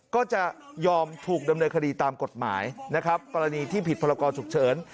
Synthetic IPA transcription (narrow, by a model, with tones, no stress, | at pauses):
kɔː˥˩t͡ɕa˨˩ | jɔː˧mt̪ʰuː˨˩k̚da˧mnɤː˧nkʰa˧diː˧t̪aː˧mko˨˩t̪̚ma̰ː˩˦jna˦˥kʰa˦˥p̚kɔː˧ɾa˧niː˧t̪ʰiː˥˩pʰi˨˩t̪̚pʰɔː˧ɾa˧kɔː˧t͡ɕʰu˨˩k̚t͡ɕʰɤː˩˦n